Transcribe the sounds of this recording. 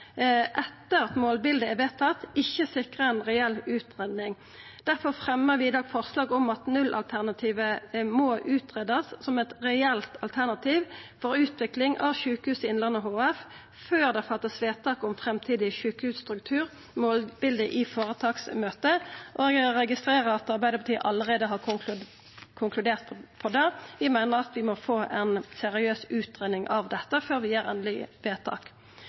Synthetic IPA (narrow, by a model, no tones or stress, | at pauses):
ʔɛt̪ːəʁɑt̪moːlbɪld̪əɛʋeːt̪ʰːɑt̪ːɪçːəsɪkʁəɛnʁɛɛlːʉːt̪ʁeːd̪nɪŋ | d̪̥æʁfɔʁfʁɛməʁʋɪɪd̪ɑːɡfɔʁslɑːɡɔmɑt̪nʉlʔɑ̰lt̪ʰæʁnɑt̪ʰiːʋəmoːʔʉːt̪ʁeːd̪ɑssɔmɛt̪ʁɛɛlt̪ɑlt̪ʰæʁnɑt̪ʰiːʋfɔɾʉːt̪ʋɪklɪŋʔɑ̰ʋʃʉːkəhʉːsɪɪnlɑnəɔɦoːɛf | føːʁd̪ɛfɑt̪ːəsʋeːt̪ʰɑːkʊmfʁɛmt̪ʰiːd̪ɪʃʉːkəhʉːsst̪ʁʉk̚t̪ʰʉːʁ | moːlbɪld̪əʔɪfoːʁət̪ʰɑːksmøːt̪əʔoːɡəʁɛɡɪst̪ɾeːʁəʁɑt̪ɑʁbæɪd̪əpʰɑt̪iːə̰ʔɑlːəʁeːd̪əɦɑːʁ | kʰʊŋklʉd̪eːʁt̪pʰɔd̪ɛʋɪmæɪnəʁɑt̪ʋɪmɔfoːʔɛnsɛʁɪøːsʉːt̪ʁeːnɪŋʔɑʋd̪ɛt̪ːəføːɾʋɪjæːʁɛ̰nlɪ̰ʋeːt̪ʰɑ̰ːk